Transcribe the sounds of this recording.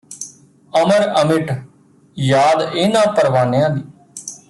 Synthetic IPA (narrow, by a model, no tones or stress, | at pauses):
əməɾəmɪʈ | jaːd̪eːnãːpəɾʋaːnejãːd̪iː